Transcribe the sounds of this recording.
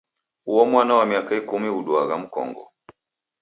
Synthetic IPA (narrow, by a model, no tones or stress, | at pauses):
uwɔmwanawamiakaikumiuɗuaɣam̩kɔ̰ŋɡɔ̰